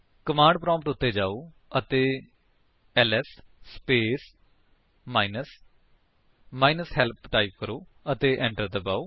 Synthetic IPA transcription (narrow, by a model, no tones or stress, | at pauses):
kəmãːɳɖ̚pɾɔ̃ːmpʈʊt̪ːeːd͡ʒaːoː | ət̪eː | ɛːlɛːsspeːs | maːinəs | maːinəsɦɛːlpʈaːip̚kəɾoː | ət̪eːʔɛ̃ːɳʈəɾd̪əbaːoː